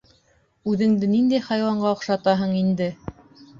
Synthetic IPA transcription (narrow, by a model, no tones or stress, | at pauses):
ʉðɘ̆ŋd̪ɘnind̪æjχɑjwɑɴɢɑŏqʃɑt̪ɑɦɤɴind̪ɘ